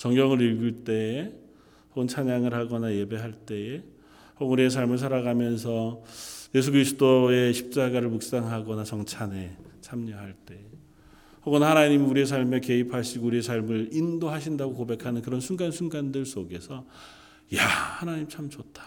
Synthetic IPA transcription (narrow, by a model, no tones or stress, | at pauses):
t͡ɕʌŋɡjʌŋɯɾiɭɡɯɭt͈e̞ | hoɡɯnt͡ɕʰaɲaŋɯɭɦaɡʌnaje̞be̞ɦaɭt͈e̞e | hʌɡnuɾie̞s̬ʰaɭmɯɭs̬ʰaɾaɡamjʌns̬ʰʌje̞s̬ʰuɡɯɾisʰɯ̥dʰoe̞ɕʰi̥p̚t͡ɕ͈aɡaɾɯɭmuk̚s͈aŋɦaɡʌnat͡ɕʌŋt͡ɕʰane̞t͡ɕʰamɲʌɦaɭt͈e̞ | hʌɡʌnhanaɲimuɾie̞s̬ʰaɭme̞ke̞ipʰaɕʰiɡouɾiesʰaɭmɯɾindoɦaɕʰindaɡokobe̞kʰanɯnkɯɾʌnsʰunɡansʰunɡandɯɭs͈oɡe̞sʰʌ | jahanaɲimt͡ɕʰamt͡ɕotʰḁ